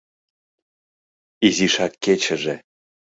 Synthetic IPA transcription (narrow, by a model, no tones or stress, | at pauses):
iziʃɑkːet͡ɕə̆ʒe